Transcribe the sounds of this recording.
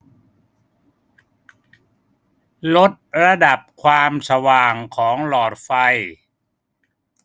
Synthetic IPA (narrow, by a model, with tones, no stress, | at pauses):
lo˦˥t̪̚ɾa˧da˨˩p̚kʰwaː˧msa˧waː˨˩ŋkʰɔː˩˦ŋlɔː˨˩t̪̚fa˧j